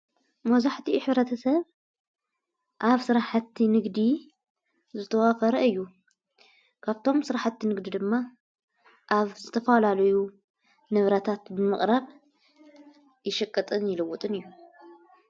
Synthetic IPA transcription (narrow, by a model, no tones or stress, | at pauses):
mɐzaħt̪ʰiħɨβɾɐt̪ʰɐsɐβ | ʔaβsɨɾaħat̪ʰːinɨɡd̪i | zɨt̪ʰɐwafɐɾɐɨjːu | kʰaβt̪ʰo̞msɨɾaħat̪ʰːinɨɡd̪id̪ɨmːa | ʔaβzɨt̪ʰɐfalalɐju | nɨβɾɐt̪ʰat̪bɨmɨχʼɾaβ | jɪʃɐkʼːɨt̪ʼɨnjɪlɨwɔt̪ʼɨnɨjːu